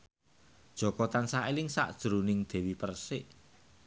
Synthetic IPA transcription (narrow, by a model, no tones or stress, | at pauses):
d̥ʒ̥ɔ̤kɔt̪ansaʔelɪŋsa̰ʔd̥ʒ̥əɾunɪŋd̪̥ɛ̤wipərsɪʔ